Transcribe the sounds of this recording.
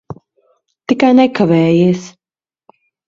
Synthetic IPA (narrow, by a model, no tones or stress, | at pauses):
t̪ikajnɛkavɛːjiːs